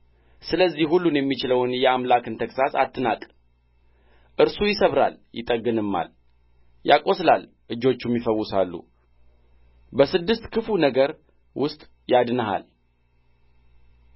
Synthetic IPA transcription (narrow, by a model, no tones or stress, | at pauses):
sɨləzːihhulːunjɛmːit͡ʃɪləwnjɛamlakɨnt̪ʰəkʼsasat̪ʰːɨnat̪ʼ | ʔɨɾsujɪsəβɾa̰ljɪt̪ʼəɡːɨnɨmːa̰l | ja̰kʼo̞slal | ʔɨd͡ʒːo̞t͡ʃːumjɪfəwːʊsalːṵ | bəsɨd̪ːɨst̪kʰɨfunəɡəɾ | wʊst̪ʼ | jad̪nəɦa̰l